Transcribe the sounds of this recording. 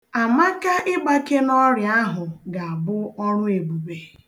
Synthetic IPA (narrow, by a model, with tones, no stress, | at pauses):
a˨ma˦ka˦ʔɪ˦ɡ͡ba˦ke˦nɔ˦ɾja˦ɦʊ˨ɡa˨a˨bʊ˦ɔ˦ɾʊ˦e˨ɡ͡bu˨be˨